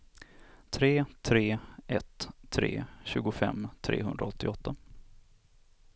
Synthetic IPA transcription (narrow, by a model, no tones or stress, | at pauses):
t̪ʰɾeːt̪ʰɾeːʔɛt̪ʰːɾḛːɕʉ̟ːɡʊfɛ̰mːt̪ʰɾḛːɦɵnd̪ɾaɔt̪ʰːɪɔt̪ʰːa